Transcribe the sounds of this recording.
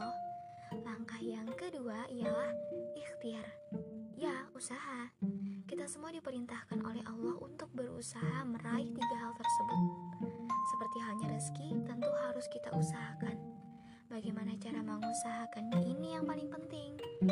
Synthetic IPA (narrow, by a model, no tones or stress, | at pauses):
h | laŋkahjaŋkəduaʔijalahixt̪iar | jausaɦakit̪asəmuadipəɾint̪ahkanʔo̰lɛɦɑlːɑhṵnt̪ʊk̚bərṵsaɦaməɾaɪht̪iɡaɦalt̪ərsəbʊt̪̚səpərt̪iɦalɲaɾəskit̪ənt̪uhaɾʊskit̪a̰ʔusaɦakan | baɡajmanat͡ʃaɾaməŋusaɦakanɲaʔinijaŋpalɪŋpənt̪ɪŋ